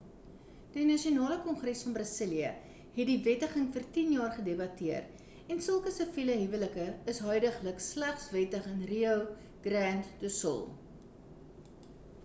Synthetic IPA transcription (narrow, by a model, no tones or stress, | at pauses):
d̥inɐʃionɑːləkɔnχrɛsfɐnbrɑsəliə | ɦɛtdivɛtəχəŋfərtinjɑːrχədebɐtiər | ɛnsəlˠkəsəviləɦivələkəəsɦœɥdəχləkslæχsvɛtəχənriəw | ɡ̥rɾæntdusə̰lˠ